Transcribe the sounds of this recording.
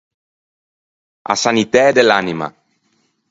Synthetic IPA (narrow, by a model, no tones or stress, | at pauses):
a̰sanit̪ɛːd̪elanima̰